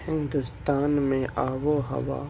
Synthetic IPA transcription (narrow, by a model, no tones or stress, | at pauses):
hɪ̃nd̪ʊst̪aːnmẽʔaːʋoɦɐ̰ʋa̰ː